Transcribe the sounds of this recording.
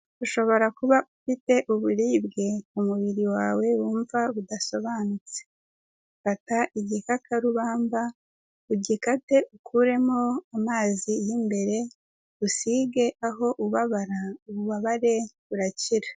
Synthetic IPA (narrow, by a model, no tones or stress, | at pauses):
uʃo̞βo̞ɾakuβaufite̞ʔuβuɾiːbɡe̞umuβiɾiwaːwe̞wuːɱvaβudaso̞βaːnut͡se̥ | ufataʔiɟikakʰaɾuβaːɱba | uɟikate̞ʔukʰuɾe̞mo̞amaːzijimbe̞ɾe̞ | usiɡe̞ʔaɦo̞ʔuβaβaɾauβuβaβaɾe̞βuɾaciɾa